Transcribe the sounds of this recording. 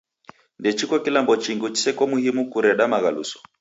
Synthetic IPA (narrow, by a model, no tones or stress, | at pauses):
ndɛt͡ʃikwɔkilambɔt͡ʃiŋɡut͡ʃi̥sɛkɔmuhimukuɾɛɗamaɣalṵsɔ̥